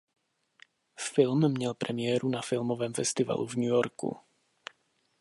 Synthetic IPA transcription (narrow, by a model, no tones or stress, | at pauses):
fɪlmːɲɛlpɾʔɛmɪjɛːɾunafɪlmovɛːmfɛst̪ɪva̰lʔṵvɲujoɾkṵ